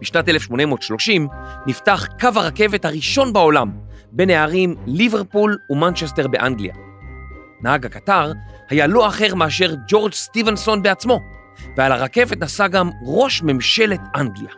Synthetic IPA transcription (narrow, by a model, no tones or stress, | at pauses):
b̥iʃnatelefʃmo̞nemotʃlo̞ʃimniftaχkavhaʁake̞ve̞thaʁiʃo̞nbao̞lambe̞neaʁimliveʁpulumant͡ʃesteʁbe̞ʔaŋɡlḭa̰ | nahaɡhakataʁhajaloaχe̞ʁmeaʃe̞ʁd͡ʒo̞ʁd͡ʒstivenso̞nbeat͡smo̞ | vealaʁake̞vetnasaɡamʁo̞ʃme̞mʃe̞letʔaŋɡlija